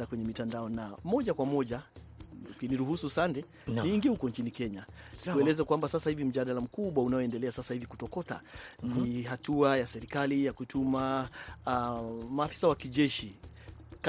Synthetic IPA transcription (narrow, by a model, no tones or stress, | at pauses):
akwɛɲɛmitandaɔnamɔʄakwamɔʄa | kiniɾuhususandɛ | nniːŋɡiɛhukɔnt͡ʃinikɛɲḁ | uɛlɛzakwambasasahivim̩ʄaɗalam̩kuɓwaunaɔɛndɛlɛasasahiviku̥tɔkɔta̰niɦatuajasɛɾikalijakutʰuma | maːfi̥sawakiʄɛʃi | k